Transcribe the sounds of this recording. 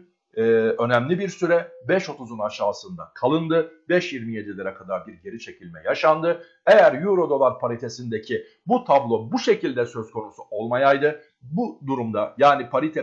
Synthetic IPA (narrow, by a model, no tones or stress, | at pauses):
ɛø̞næmlʲibiɾsyɾɛbɛʃo̞t̪ʰuzunaʃaːsɯnd̪a̰kʰalˠɯnd̪ɯbɛʃjiɾmije̞d̪ilʲɛɾɛkʰad̪aɾbiɾɟe̞ɾit͡ʃʰe̞cʰilʲmɛjaʃand̪ɯ | e̞jæɾjuɾo̞d̪o̞lˠaɾpʰaɾit̪ʰe̞sind̪ecʰi | but̪ʰablˠo̞buʃe̞cilʲd̪ɛsø̞zkʰo̞nusuʔo̞lˠmajajd̪ɯ | bud̪uɾumd̪ajaːnipʰaɾit̪ʰɛ